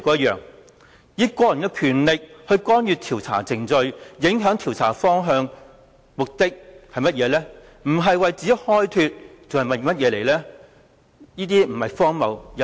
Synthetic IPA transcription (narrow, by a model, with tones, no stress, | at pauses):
kɔː˧jɐ˥jœː˨ŋ | jiː˨˧kʷɔː˧jɐ˨˩nkɛː˧kʰyː˨˩nlɪ˨k̚hɵ˧ɥkɔː˥njyː˧t̪ʰi˨˩wt͡sʰa̰ː˨˩t͡sɪ˨ŋt͡sɵ˧ɥjɪ˨˥ŋɦœː˨˥ŋt̪ʰiː˨˩wt͡sʰa̰ː˨˩fɔː˥ŋɦœː˧ŋ | mʊ˨k̚t̪ɪ˥k̚hɐ˨jmɐ˥t̚jɛː˨˧lɛː˥ | m̩˨˩ɦɐ˨jwɐ˨jt͡siː˨˥jhɔː˥jt̪ʰyː˧t̚t͡sɐ˨˩whɐ˨jmɐ˨˩jmɐ˥t̚jɛː˨˧le˨˩jlɛː˥ | jiː˥t̪iː˥m̩˨˩hɐ˨jfɔː˥ŋmɐ̰˨˩wjɐ˨